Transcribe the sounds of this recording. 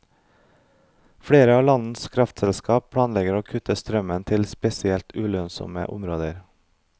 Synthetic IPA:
fɽeːɾəɑːlɑnn̩skʰɾɑft̪sɛlskɑːp̚pʰɽɑːnlɛɡəɾoːkʰʉt̪əst̪ɾœmənt̪ʰɪlspɛsɪɛlt̪ʉːlœnsɔ̰mə̰ʔʊ̰mɾoːd̪əɾ

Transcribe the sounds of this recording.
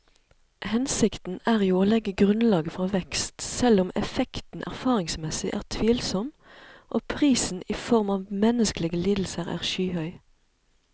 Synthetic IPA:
hɛnsɪkt̪n̩æːʁjuoːlɛɡəɡʁʉnlɑːɡəfʁɑːʋɛkst̪sɛlʊmɛ̰fɛkt̪n̩ʔæ̰ʁfɑːʁɪŋsmɛsɪʔæ̰ːʁt̪ʰʋiːlsɔm | ʔoːpʰʁiːsn̩iːfɔʁmɑːʋmɛnəskəlɪɡəliːd̪l̩səʁæ̰ːʁʃyːhœʏ

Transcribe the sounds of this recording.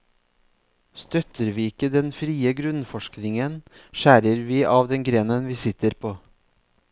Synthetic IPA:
st̪œt̪ʰəɾʋiːɪkəd̪ɛnfɾiːəɡɾʉnfɔʃknɪŋənʃæːɾəɾʋiːʔɑːʋd̪ɛnɡɾeːnənʋiːsɪt̪əɾpʰoː

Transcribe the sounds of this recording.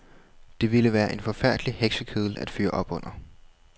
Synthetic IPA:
d̥e̝ʋiləʋæːɐʔe̝nfɒ̽fæɐ̰d̥liheɡ̥səkʰeðˠl̩æd̥fy̰ːɐʔɒ̽b̥ɔ̽n̰ɐ

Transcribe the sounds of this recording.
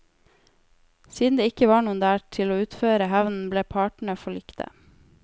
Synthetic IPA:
siːd̪nd̪eːɪkəʋɑːɳuːnd̪æːʈʰɪloːʉːt̪føːɾəhæʋnn̩bleːpʰɑːʈɳ̩əfɔɭɪkt̪ʰə̰

